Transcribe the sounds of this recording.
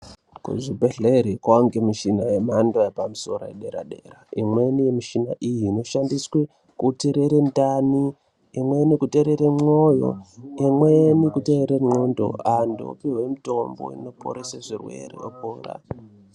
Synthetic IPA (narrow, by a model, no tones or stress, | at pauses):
kṵʐibʱe̞ɮeɾikwaoŋɡemiʃinajemandoepamuso̞ɾo̰ḛɗe̞ɾa̰ɗe̞raimwenijemiʃinaʔijiːno̞ʃandiswe | kuteɾeɾendani | imwenikute̞ɾeɾemojo̰imwenikute̞ɾeɾeŋ͡ǃondo̞̰ando̰piwemito̞mbo̰ḭno̞po̰ɾeseʐirwe̞̰rḛo̰poːra̰